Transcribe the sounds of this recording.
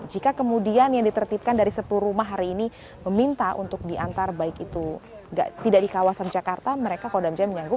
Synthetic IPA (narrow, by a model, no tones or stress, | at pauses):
d͡ʒikakəmudianjaŋdit̪ərt̪ip̚kandaɾisəpəlurumaɦaɾiːni | məmint̪aʔṵnt̪ʊk̚diʔant̪arabaɪkit̪u | ŋɡa̰ʔt̪idaʔdikawasand͡ʒakart̪aməɾekakodamd͡ʒaməɲaŋɡʊp̚